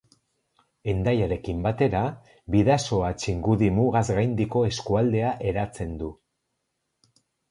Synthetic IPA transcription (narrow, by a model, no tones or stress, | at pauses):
e̞nd̪ajaɾe̞kimbat̪e̞ɾa | βiðaso̞at͡ʃiŋɡuðimuɣazɣajnd̪iko̞e̞skuald̪e̞aʔe̞ɾat͡se̞nd̪u